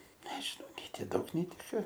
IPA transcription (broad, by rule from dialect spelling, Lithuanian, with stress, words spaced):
ˈnʲæːʒʲɪnɐʊ nʲɛɪ ˈtʲɪ ˈdɐʊk nʲɛɪ ˈtʲɪ ˈkɐ